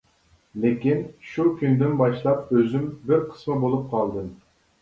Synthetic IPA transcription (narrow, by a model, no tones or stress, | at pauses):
lekʲinʃukʲynd̪ynbɑʃlˠɑp̚øzymbɪɾqʰə̥smɨbolˠup̚qʰɑlˠd̪ɨm